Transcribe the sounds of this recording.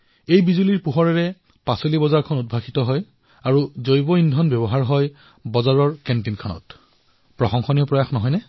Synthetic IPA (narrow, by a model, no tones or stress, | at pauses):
ejbizuliɹpuɦɔɹɛɹɛ | pasolibɔzaɹkʰɔnud̚bʱaxitɔɦɔj | aɹuzojbɔindʱɔnbjɔβɔɦaɹɦɔj | bɔzaɹɔɹkɛntinkʰanɔ̰t | pɹɔxɔŋxɔniɔpɹɔjaxnɔɦɔjnɛ